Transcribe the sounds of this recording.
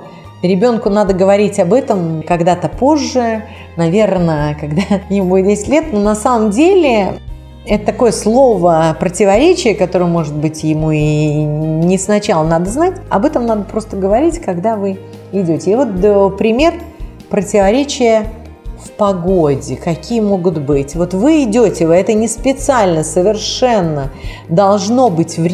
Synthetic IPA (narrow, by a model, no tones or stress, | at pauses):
ɾʲɪbʲo̞nkʊnad̪əɡəvɐɾʲitʲɐbɛt̪əmkɐɡd̪at̪əpo̞ʐːɨ | nɐvʲe̞rnəkɐɡd̪ajɪmudʲesʲɪ̥tʲlʲe̞t̪nonɐsaməmdʲelʲɪ | ɛt̪ət̪ːɐko̞jəslˠo̞vəpɾətʲɪvɐɾʲet͡ɕɪjəkɐt̪o̞ɾɨjəmo̞ʐɨd̪̚bɨtʲjɪmui | nʲɪsnɐt͡ɕalˠənad̪əznatʲɐ̰bɛt̪əmnad̪əpɾo̞st̪əɡəvɐɾʲitʲkɐɡd̪avɨ | ɪdʲotʲɪːvo̞t̪̚pɾʲɪmʲe̞r | pɾətʲɪvɐɾʲet͡ɕɪjə | fpɐɡo̞dʲɪkɐkʲʰijəmo̞ɡʊt̪bɨtʲvo̞t̪vɨɪdʲotʲɪvɨɛt̪ənʲɪspʲɪt̪sɨalʲnəsəvʲɪrʂɛnːə | d̪ɐlˠʐno̞bɨtʲvɾʲ